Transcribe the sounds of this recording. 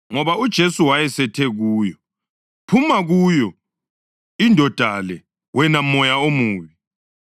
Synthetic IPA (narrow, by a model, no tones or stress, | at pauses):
ŋɔβaud̥ʒ̥ʱesuwajɛsɛtʰɛɣuːjɔ | pʰumaɣujɔ | indʱɔd̥ʱalɛ | wʔɛnamɔjaomuːβi